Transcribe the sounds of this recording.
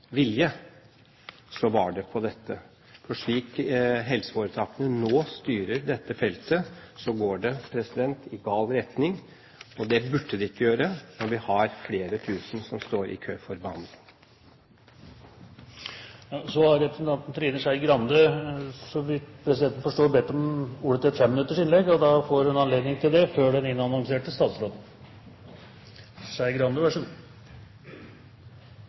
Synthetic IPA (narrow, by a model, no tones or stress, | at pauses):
ʋɪljə | sɔʋɑɖɛpʰɔd̪ɛt̪ːə | fɔʂɭiːkɦɛlsəfoːɾət̪ʰɑːkənənoːst̪yːɾəɾd̪ɛt̪ːəfɛlt̪əsɔɡoːɖɛpʰɾɛsɪd̪ɛnt̪ɪɡɑːlɾɛt̪nɪŋ | ɔd̪ɛbʉɖːəd̪ɛɪkːəjøːɾənɔʋɪhɑɾfleːɾət̪ʰʉːsn̩sɔmst̪oːɾʔɪ̰kʰøːfɔɾbɑn | jɑsɔhɑɾːɛpɾəsnt̪ɑnt̪n̩t̪ʰɾiːnəʂæɪɡɾɑnd̪əsɔʋɪt̪pʰɾɛsɪd̪ɛnt̪n̩fɔʂʈoːbɛt̪ːɔmuːɽət̪ʰɪt̪fɛmːənʉt̪ːəʂɪnlɛɡɔd̪ɑfoːɾhʉnɑnleːd̪nɪŋt̪ʰɪld̪ɛføːɖɛnɪnːɑnɔŋseːʈɪst̪ɑːt̪sɾoːd̪n̩ | ʂæɪɡɾɑnd̪əʋæʂʉ